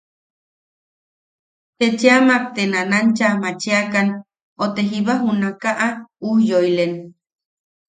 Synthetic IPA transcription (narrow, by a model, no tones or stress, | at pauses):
t̪et͡ʃeamak̚t̪enanant͡ʃamat͡ʃeakan | ot̪eɦiβaɦunakaʔauhjoilen